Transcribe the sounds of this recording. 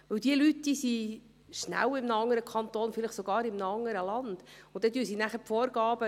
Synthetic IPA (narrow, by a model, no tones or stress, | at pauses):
ʋɵwd̥̪iəlytd̥̪iːsi | ʃnæ̰wɪmnəɑŋːəɾəkʰɑnt̪oːnfɪlɪχsoɡ̥ɑːɾɪmnəɑŋːəɾəlɑnd̪̥ʊnd̥̪ɛt̪yːsinæχəpfɔːɾɡ̥ɑːb̥ə